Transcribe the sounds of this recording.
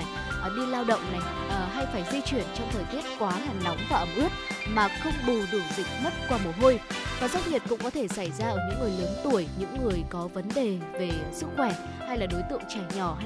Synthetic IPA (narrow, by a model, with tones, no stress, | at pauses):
j | ɓi˧nlaː˧wɗə̰˧˨wŋ͡mna˨˩j | ʔɦa˧jfaː˧˩jzi˧t͡ɕwi˧˩ənt͡ɕɔ˧ŋ͡mt̪ʰəː˨˩jt̪i˦˥ət̚kwaː˨˦ɦa˨˩ŋ̟na˨˦wŋ͡mvaː˨˩ʔə˧˩mʔɨ˦˥ək̚maː˨˩xə˧wŋ͡mɓu˨˩ɗɨ˨˩əŋzï˧˩ŋ̟̚mə˦˥t̚kwaː˧mo˨˩ɦo˧jvaː˨˩za˧˦˥k͡p̚ɲi˨˩ət̚kʊ̰˧˥ŋ͡mkɔ˨˦t̪ʰe˧˩sa˧˩jzaː˧ʔəː˧˩ɲɨ̰˧˥ŋːɨ˨˩əjləː˨˦nt̪u˧˩əjɲɨ̰˧˥ŋːɨ˨˩əjkɔ˨˦və˨˦nɗe˨˩ve˨˩sɨ˦˥k̚xwɛ˧˩ | ha˧jlaː˨˩ɗo˨˦jt̪ɨ̰˧˨əŋt͡ɕɛ˧˩ɲɔ˧˩